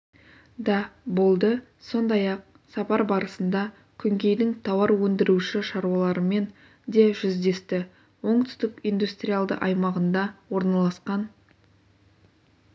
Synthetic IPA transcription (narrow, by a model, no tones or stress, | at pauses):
d̪ɑbo̞lˠd̪ə | so̞nd̪ɑjɑq̚ | sɑpɑɾbɑɾəsənd̪ɑ | kʲʰʏŋkʲe̞jd̪ɪŋt̪ʰɑwɑɾwɵnd̪ɪɾuʃɪʃɑɾuwɑlˠɑɾəme̞n | d̪e̞ʒʏzd̪e̞st̪ɪ | wo̞ɴt̪ʰʏ̥st̪ɪkʲijnd̪ust̪rʲijalˠd̪ə̰ʔɑjmɑʁənd̪ɑwo̞ɾnɑlˠɑsqɑn